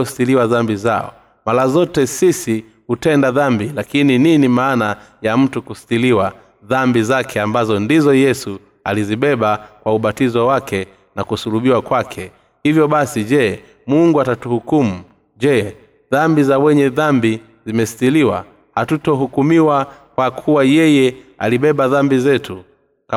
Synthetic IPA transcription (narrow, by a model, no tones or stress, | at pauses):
si̥tiliwaðambizaɔ̰ | malazɔtɛsisi | hutɛndaðambilakinininimaːnajam̩tukusi̥tiliwa | ðambizakʰɛambazɔndizɔjɛsu | aliziɓɛɓakwauɓatizawakɛ | nakusuluɓiwakwakʰɛ | hivjɔɓasiʄɛ | muŋɡuatatuhukumu | ʄɛ | ðambizawɛɲɛðambi | zimɛsi̥tiliwa̰ | hatutɔɦukumiwakwakʰuwajɛjɛa̰liɓɛɓaðambizɛtu | ka